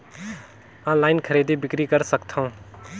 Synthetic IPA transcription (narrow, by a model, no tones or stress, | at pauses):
ãːlaːɪnkʰəɾeːd̪ibɪkɾikəɾsəkt̪ʰaũː